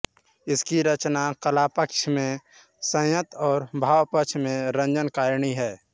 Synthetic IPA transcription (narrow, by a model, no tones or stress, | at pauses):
ɪskiɾət͡ʃnakəlaːpəkʃmẽ | sə̃jət̪ɔːɾbʱaːwpəkʃʰmẽɾə̃nd͡ʒənkaːɾɳiɦɛː